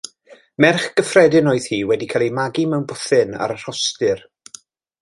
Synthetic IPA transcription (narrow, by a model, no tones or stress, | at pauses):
mɛrχɡ̥əfrɛdɪnɔːɨð̥hiːwɛdikʰalˠimaɡimɛwnbʊθɨna̰ɾər̥ɔstɨr